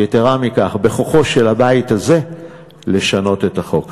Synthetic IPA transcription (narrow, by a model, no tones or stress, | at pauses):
eteʁamikaχbe̞χo̞χo̞ʃe̞labaithaze̞ | le̞ʃano̞te̞taχo̞k